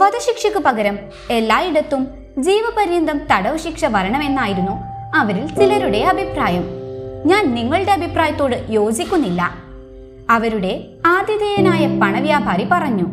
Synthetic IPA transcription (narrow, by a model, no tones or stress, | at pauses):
ʋɐd̪ɐɕikʂɐkːɨpɐɡɐɾɐm | e̞lːaːjiɽɐt̪ːum | d͡ʑiːʋɐpɐɾjɐnd̪ɐmt̪ɐɽɐʋɐɕikʂɐʋɐɾɐɳɐme̞nːaːjiɾunːu | ɐʋɐɾilt͡ɕilɐɾuɽe̞ɐbʱipraːjɐmɲaːnniŋːɐɭɨɽe̞ɐbʱipraːjɐt̪ːo̞ːɽɨjo̞ːd͡ʑikʲːunːilːɐ̰ | ɐʋɐɾuɽe̞ | aːd̪jɐd̪ejɐnaːjɐpɐɳɐʋjaːbʱaːripɐrɐɲːu